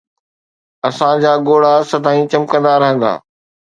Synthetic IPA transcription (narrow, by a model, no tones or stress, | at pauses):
ɐsãd͡ʑaːɠoːɽ̤asɐd̪ãːĩt͡ɕɐ̃mkə̃nd̪aɾɐɦə̃nd̪a̰ː